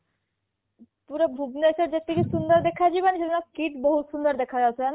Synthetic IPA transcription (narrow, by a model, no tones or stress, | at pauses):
puɾɔbʱubnesəɾd͡ʑet̪ːikisund̪əɾd̪ekʰad͡ʒibaniʃed̪inaskiʈbɔɦut̪sund̪əɾd̪ekʰad͡ʒasʰen